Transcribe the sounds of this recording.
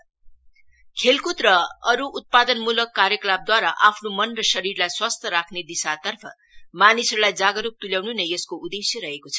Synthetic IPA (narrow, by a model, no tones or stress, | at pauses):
kʰelkut̪rʌʌɾuʔːt̪̚pad̪ʌnmulʌkːaɾjʌklab̚d̪waɾaʔapʰnomʌnrʌsʌɾirlajswast̪ʰʌɾakʰned̪isat̪ʌrpʰʌ̰ | manisʌɾlajd͡zaɡʌɾup̚t̪uljawnunejʌskoud̪esjʌɾʌɦekot͡sʰʌ̥